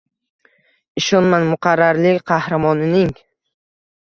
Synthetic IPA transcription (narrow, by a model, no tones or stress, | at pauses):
ɪʃɒnmanmʊqʰɑɾːaɾlɪqʰɑhɾamɒnɪnɪŋ